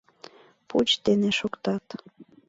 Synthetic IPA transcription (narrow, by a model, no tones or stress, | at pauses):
put͡ɕd̪eneʃokt̪ɑt̪